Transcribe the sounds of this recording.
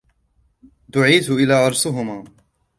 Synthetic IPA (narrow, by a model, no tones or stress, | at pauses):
d̪ʊʕiːt̪ʔɪlaːʔɑɾˤsʊɦʊmaː